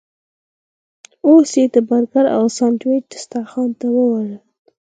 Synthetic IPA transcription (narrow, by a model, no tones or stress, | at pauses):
osjet̪əbaɾkaɾa̰wsɑnt̪weɪ̥st̪axɑnt̪awəwaʐə